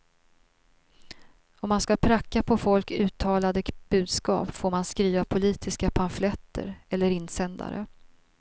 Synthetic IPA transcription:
ɔmːanskapʰɾakːapʰɔfɔlkʉ̟ːt̪ʰɑːlad̪əb̥ʉ̟ːd̪skɑ̰ːpfoːɾmanskɾiːvapʰʊliːt̪ʰɪskapʰanflɛt̪ʰːə̰ɾɛlːəɾɪnːsɛnd̪a̰ɾə̰

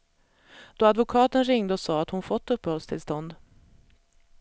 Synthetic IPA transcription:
d̪̥oːad̪vʊkʰɑːt̪ənɾɪŋd̪əɔsɑːat̪hʊnfɔt̪ːɵpːəhɔlst̪ʰɪlst̪ɔnd̪

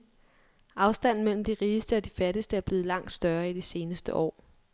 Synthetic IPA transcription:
ʔɑ̈ʊsd̥æn̰n̩mel̰m̩d̥iʁiːsd̥əɒ̽d̥ifæɐɾəsd̥əæɐb̥le̝ːð̞̩ˠlɑ̈ŋ̰d̥sd̥ɶɐid̥ise̝ːnəsd̥əʔɒ̰ː

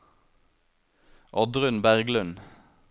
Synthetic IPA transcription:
ʔɔd̪ʁʉnbæʁɡlʉn

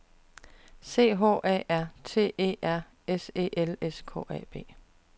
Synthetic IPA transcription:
se̝̰ːɦo̝̰ːʔɛ̰ːæɐ̰t͡sʰe̝̰ːe̝̰ːʔæɐ̰ | ese̝̰ːʔeleskʰɔ̰ːɛ̰ːb̥e̝̰ː

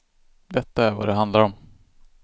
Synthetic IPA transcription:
d̪ɛt̪ːaæɾva̰d̪ɛɦand̪laɾɔm

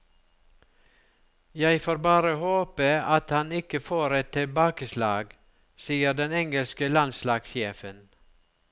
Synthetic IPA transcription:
jæɪfoːɾbɑːɾəhoːpəɑt̪hɑnɪkəfoːɾɛt̪ʰɪlbɑːkəslɑːɡ | siːəd̪ɛnɛŋɡəlskəlɑnslɑːɡsjeːfən

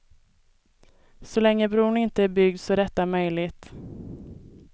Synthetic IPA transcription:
sɔlɛŋːəbɾuːɳɪnt̪əæɾbʏɡ̚d̪sɔɾɛt̪ːamœjlɪt̪

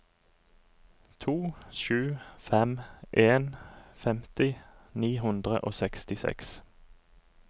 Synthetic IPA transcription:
t̪ʰuːʃʉːfɛmʔeːnfɛmt̪ɪniːɦʉnd̪ʁə̰ʔoːsɛkst̪ɪsɛ̰ks

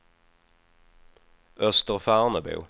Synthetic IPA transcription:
œst̪əʁfæːʁnəbʉ̰ː

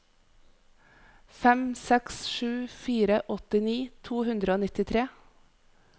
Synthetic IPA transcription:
fɛmsɛksʃʉːfiːɾəʔɔt̪ɪniːt̪ʰuːhʉnd̪ɾəoːnɪt̪ɪt̪ʰɾeː

